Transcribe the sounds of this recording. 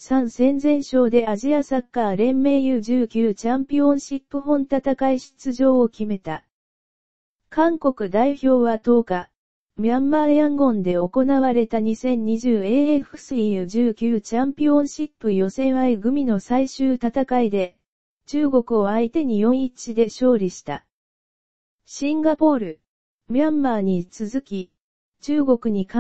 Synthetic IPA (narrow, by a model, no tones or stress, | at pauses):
sãɰ̃sẽ̞nd͡zẽ̞ɰ̃ɕo̞ːd̪e̞aʑiasakːaːɾẽ̞mːe̞ːjɯːʑɨːkʲɨːt͡ɕãmpʲiõ̞ɰ̃ɕipːɯ̟ɦõ̞nt̪at̪akaiɕi̥t͡sɨʑo̞ːokʲime̞t̪a | kãŋko̞kɯ̟d̪aiço̞ːβat̪o̞ːka | mãmbaːjãŋɡõ̞nd̪e̞o̞ko̞naβaɾe̞t̪aɲ̟isẽ̞ɲ̟ɲːiʑɨːe̞ːeɸɯ̟̥sɨiɯʑɨːkʲɨːt͡ɕãmpʲiõ̞ɰ̃ɕipːɯ̟jo̞sẽ̞ɰ̃aiɡɯ̟mʲino̞saiɕɨːt̪at̪akaid̪e̞ | t͡ɕɨːɡo̞kɯ̟o̞ait̪e̞ɲ̟ijõ̞ɰ̃it͡ɕid̪e̞ɕo̞ːɾʲiɕi̥t̪a | ɕĩŋɡapo̞ːɾɯ̟ | mãmːaːɲ̟it͡sɨzɨkʲi | t͡ɕɨːɡo̞kɯ̟ɲ̟ik